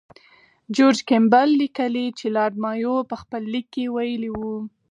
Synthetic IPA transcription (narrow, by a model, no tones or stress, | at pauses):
d͡ʒoɾd͡ʒkembalːikəlit͡ʃelɑɾmɑjopəxpəlːikːewajəliwu